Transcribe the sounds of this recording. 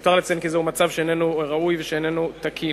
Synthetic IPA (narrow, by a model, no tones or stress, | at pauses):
t̪aʁlat͡senkizeumat͡savʃeenenuʁaujveʃeenenut̪akʰi